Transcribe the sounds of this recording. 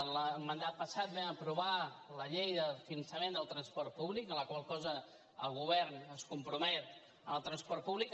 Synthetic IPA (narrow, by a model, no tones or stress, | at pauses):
nləmənd̪at̪̚pəsat̪̚bɛməpɾuβaləʎejðəfinənsəmend̪əlˠt̪ɾənspɔrt̪̚puβlikənləkwalˠkɔzə | əlˠɣuβɛɾnəskumpɾumɛt̪ | əməlˠt̪ɾənspɔrt̪̚puβlik